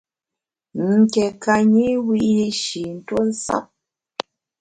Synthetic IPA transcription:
ŋ̩˨kɛ˨ka˦ɲi˦wi˦ʔji˦ʃi˨n̩˨˦two˦n̩˦sa̰˦p̚

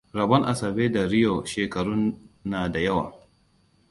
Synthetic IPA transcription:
ɾɐ˨bɐ˦ŋʔa˨sɐ˨beː˦da˨ɾɪ˦jo˨ʃeː˨kɐ˨ɽu˦nːaː˨da˨jɐ˦wa̰ː˨

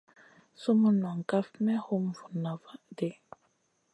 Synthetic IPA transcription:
su˦mu˦nwa˨ŋ˨ka˦fmɛ˦hu˦mvu˨na˨va˦de˦

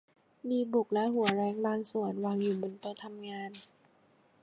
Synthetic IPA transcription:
miː˧bu˨˩k̚lɛ˦˥ɦu˨˩˦ɐɾɛː˧˥ŋbaː˧ŋsu˨˩ənwaː˧ŋjuː˨˩bo˧nt̪o˧t̪ʰa˧mŋaː˧n

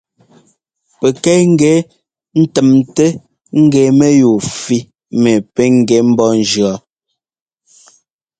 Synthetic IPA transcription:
pe˨kɛ˦ŋ̩˦ɡɛ˨˦ | n̩˦tɛ˨mte˦ | ŋ̩˦ɡɛ˨me˦ju˨fi˦ | mɛ˨pe˦ŋ˦˨ɡɛ˨˦m̩˦bɔ˦n̩˦d͡ʒɰɔ˨˦

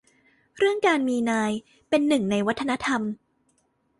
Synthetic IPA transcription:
ɾɯ˥˩əŋkaː˧nmiː˧naː˧j | pe˧nːɯ˨˩ŋna˧jwa˦˥t̪ʰːa˧na˦˥t̪ʰa˧m

